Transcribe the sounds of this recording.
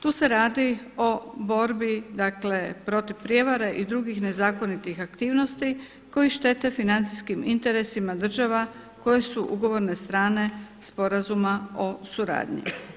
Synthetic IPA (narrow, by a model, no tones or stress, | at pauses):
t̪uːse̞ɾaːd̪i | o̞bo̞ɾbid̪akle̞pɾo̞t̪iʋpɾje̞ʋaɾeʔid̪ɾuɡixne̞zaːko̞nit̪ixakt̪iːʋno̞st̪i | ko̞jiʃt̪e̞t̪e̞finant̪siskimint̪e̞ɾe̞simad̪r̩ʒaʋa | ko̞je̞suʔuɡo̞ʋo̞ɾne̞st̪ɾaːne̞spo̞ɾazumao̞suɾa̰ːd̪ɲḭ